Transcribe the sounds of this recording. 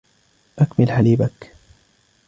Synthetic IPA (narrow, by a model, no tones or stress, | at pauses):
ʔakmɪlħaliːbak